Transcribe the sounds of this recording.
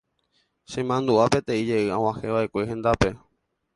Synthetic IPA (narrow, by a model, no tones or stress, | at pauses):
ʃẽmãnd̪uʔape̞t̪ẽ̞id͡ʒe̞ʔɨãw̃ãheʋaʔekʷeɦẽ̞nd̪ape̞